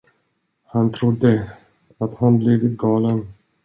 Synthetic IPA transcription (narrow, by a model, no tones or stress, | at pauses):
hant̪ʰɾʊd̪ːə | at̪hanblɪvɪt̪ɡɑːlən